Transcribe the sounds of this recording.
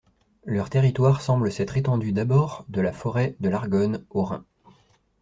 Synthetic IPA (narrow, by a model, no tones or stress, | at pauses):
lœʁt̪eʁit̪waʁsɑ̃bləsɛt̪χet̪ɑ̃d̪yd̪abɔʁd̪əlafɔʁɛd̪əlaʁɡɔnoʁɛ̰̃